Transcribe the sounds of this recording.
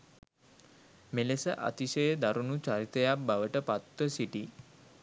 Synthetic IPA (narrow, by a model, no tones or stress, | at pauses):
melesəʔa̰t̪iʃəjəd̪aɾunut͡ʃaɾit̪əjak̚baʋəʈəpat̪wəsiʈi